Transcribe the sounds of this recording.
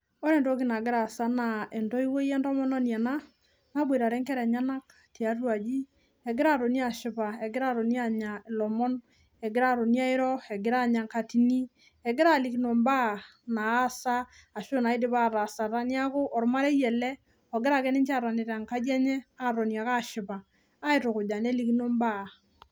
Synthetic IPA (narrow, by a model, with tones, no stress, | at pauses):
ɔ˦ɾɛ˨ntɔ˦kɪ˦na˨ɡɪ˦ɾa˨sa˦na˨ɛ˨ntɔ˦i˦wo˦jɛ˦ntɔ˦mɔ˦nɔ˦n˨a˨na˦ | na˦bwe˨ɾa˨ɾɛ˦ŋkɛ˦ɾɛ˨ɲa˦na˦k | ti˨a˨rwa˨d͡ʒi˦ | ɛ˨ɡɪ˦ɾa˦ɾo˨ni˦a˨ʃɪ˦pa˨ɛ˨ɡɪ˦ɾa˦ɾo˨ni˦a˦ɲa˨ɪ˨lɔ˨mɔ˦n | ɛ˨ɡɪ˦ɾa˦ɾo˨ni˦a˦ɪ˦ɾɔ˦ɛ˨ɡɪ˦ɾa˦ɲa˨ŋka˨ti˨ni˦ | ɛ˨ɡɪ˦ɾa˦˨li˨kno˨mba˦˨naː˨˦saː˦˨ʃo˦na˨ɪ˦dɪ˦pa˦ɾa˨sa˨ɾa˦ni˦a˦kʊ˦ʔɔ˨ɾma˦ɾe˦jɛ˨lɛ˦ | ɔ˨ɡɪ˦ɾa˨kɛ˦nɪ˦nt͡ʃa˦˨ɾa˨nɪ˨ɾa˨ŋka˦d͡ʒɛ˦ɲɛ˦a˦ɾɔ˨nja˨ka˦ʃɪ˨pa˨ | aː˦ɪ˦tʊ˨kʊ˨d͡ʒa˨ne˦li˦ki˦no˦mba˦˨